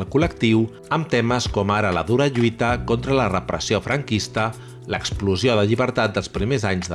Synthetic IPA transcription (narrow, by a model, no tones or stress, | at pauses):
lˠkulək̚t̪iw | əmt̪ɛməskɔmaɾələ̰ðuɾəʎuit̪əkɔnt̪ɾələrəpɾəsiofɾəŋkist̪ə | ləkspluzioðəʎiβəɾt̪at̪̚d̪əlˠspɾimezaɲzðə